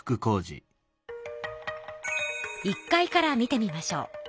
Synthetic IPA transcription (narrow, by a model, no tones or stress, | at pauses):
ɯ̥kɯ̟ko̞ːʑḭ | ikːaikaɾamʲit̪e̞mʲimaɕo̞̰ː